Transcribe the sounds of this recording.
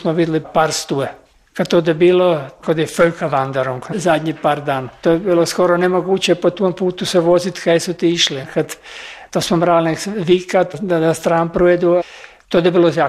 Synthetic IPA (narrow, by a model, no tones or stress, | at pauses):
smoʋid̪ɪlipaːɾst̪ue | kad̪t̪od̪ɛbiːlokod̪jeføjkaʋand̪eɾoŋkzad̪ʲɲipaːɾd̪aːnat̪ojebiːlˠoskoɾonemoɡuːt͡ɕepot̪ompuːt̪useʋozit̪kajesut̪iiʃlikad̪t̪ːosmomɾaːlnekʋiːkat̪d̪ad̪ast̪ɾaːnpɾued̪u | t̪od̪ebiːloza